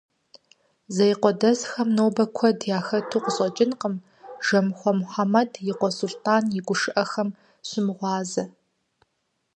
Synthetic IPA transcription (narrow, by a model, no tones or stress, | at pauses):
zɐjqʷɔdɐzxɐmnoːwbɐkʷʰɔdjaːxɐtʰuːqəɕʼɐt͡ʃʼɪnqəm | ʒ̥ɐmχʷɔmħamɐdʰjɪqʷɔsultʰaːnjɪɡʷʊʂɨʔɐxɐm | ɕɪmʁʷɑːzɐ